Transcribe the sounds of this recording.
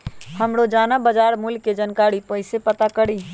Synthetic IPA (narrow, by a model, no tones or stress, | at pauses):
həmɽod͡ʒanabəd͡ʒaɾmulked͡ʒənkaɽipəɪsepət̪akəɽi